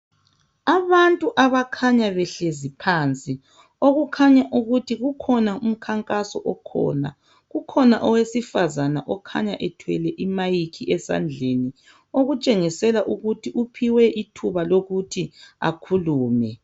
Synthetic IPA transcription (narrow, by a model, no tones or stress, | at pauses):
aβantʼuʔaβakʰaɲaβɛɬezipʰant͡sʼi | oɣukʰaɲaʔuɣutʰiɣukʰɔnaum̩kʰaŋkʼasɔ̰ʔɔkʰɔ̰ːna̰ | ɣukʰɔnaʔɔwesifazanaʔɔkʰa̰ɲaʔɛtʰwɛlɛʔimajikʰiʔɛsa̰nd͡ɮʱeni | oɣut͡ʃʼeŋisɛlaʔuɣutʰiʔupʰiwɛʔitʰuβaloɣutʰia̰kʰuluːmɛ